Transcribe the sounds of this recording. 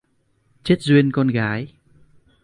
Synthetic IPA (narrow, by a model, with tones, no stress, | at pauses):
t͡ɕe˦˥t̚zwi˧ənkɔ˧nɣaː˨˦j